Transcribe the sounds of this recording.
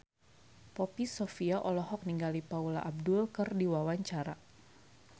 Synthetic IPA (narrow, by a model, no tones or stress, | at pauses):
pɔpisofiaʔɔlɔɦɔk̚niŋɡalipaulaʔab̚dulkɨrdiwawaɲt͡ʃaɾa